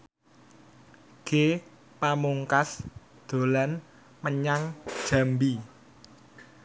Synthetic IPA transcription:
ɡ̥e | pamuŋkas | d̪̥o̤lan | məɲaŋ̥ʒ̥a̤mbi

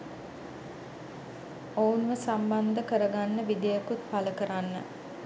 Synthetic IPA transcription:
ounʋəsamband̪əkəɾəɡanːəʋid̪ijəkut̪paləkəɾanːə̰

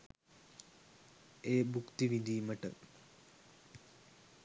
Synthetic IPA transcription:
eːbukt̪iʋind̪ijumɐʈə̰

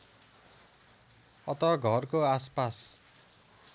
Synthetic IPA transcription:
ʌt̪ʌɡʱʌrkoaspas

